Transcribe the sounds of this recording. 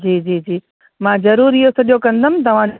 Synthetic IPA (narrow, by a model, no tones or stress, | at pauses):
d͡ʑiːd͡ʑiːd͡ʑiː | mãːzɐɾuːɾiɦosɐɗijokɐ̃nd̪əmɪ̃̆t̪ɐʋ̤ã